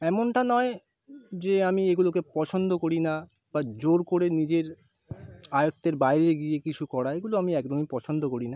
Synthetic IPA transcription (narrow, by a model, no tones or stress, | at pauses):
ɛmoɳʈanɔe | d͡ʑeamieɡulokepɔt͡ɕʰond̪ʱokoɾina | bad͡ʑoɾkoɾenid͡ʑeɾ | ajot̪ːeɾbaeɾeɡiekit͡ɕʰukɔɽaeɡuloamiɛkdonipɔt͡ɕʰond̪ʱokoɾina